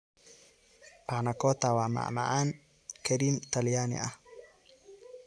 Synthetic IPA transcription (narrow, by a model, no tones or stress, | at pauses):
ʔaʕnɐkʰɔːt̪ʰaːwaːma̰ʕma̰ʕaːn | kʰɐɾiːmt̪ʰɐljaːnɪ̰ʔɐh